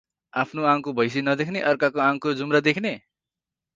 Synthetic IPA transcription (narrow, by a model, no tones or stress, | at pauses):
apʰnoãŋkobʱʌjs̬inʌd̪ekʰneʔʌrkakoãŋkod͡zumɾʌd̪ekʰne